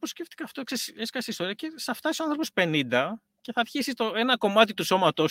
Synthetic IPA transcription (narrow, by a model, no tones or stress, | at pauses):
posce̞ft̪i̥kɐft̪oekseseskɐseist̪o̞ɾiɐcesɐft̪ɐsisoɐnθɾo̞po̞spe̞nind̪ɐ | ce̞θɐɾçisist̪oe̞nɐko̞mɐt̪it̪uso̞mɐt̪o